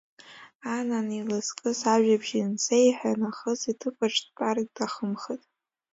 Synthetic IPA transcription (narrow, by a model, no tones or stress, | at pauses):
ananilɨskʼɨsaʒᶣabʒinsejħʷanaχəzitʰɨpʷʰaʈ͡ʂʰʼtpʼarɡ̚ʼdaχəmχɨtʼ